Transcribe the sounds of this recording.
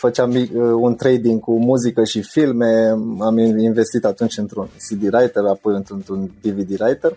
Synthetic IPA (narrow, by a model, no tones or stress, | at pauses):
fət͡ʃamiəunt̪ɾejd̪iŋɡkumuzikəʃifilme̞aminve̞st̪it̪at̪unt͡ʃʲɨnt̪ɾunsid̪iɾajt̪erapo̞jɨnt̪unt̪ɾund̪ivid̪iɾajt̪ər